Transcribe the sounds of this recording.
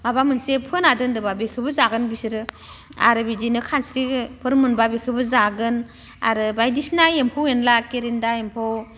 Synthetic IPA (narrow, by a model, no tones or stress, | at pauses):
mabamɯnsepʰɯnadɯndɯbabikʰɯbɯzaɡɯnbisɾɯ | a̰ɾɯbidinɯkʰansɾipʰɯɾmɯnbabikʰɯbɯzaɡɯn | a̰ɾɯbajdisnaempʰowenlakeɾindaempʰow